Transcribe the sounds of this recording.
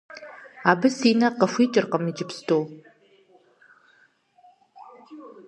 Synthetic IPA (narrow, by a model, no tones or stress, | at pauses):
aːbɨsiːnɐqəfʷiːt͡ʃʼɪrqəmid͡ʒɪpstʰʼoːw